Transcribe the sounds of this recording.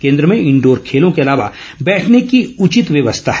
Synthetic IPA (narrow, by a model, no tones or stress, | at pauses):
kẽːnd̪ɾəmẽɪ̃ɳɖoːɾkʰeːlõkeɐlaːʋa̰ | bɛːʈʰnekiʊt͡ʃɪt̪ʋjɐʋəst̪ʰaɦ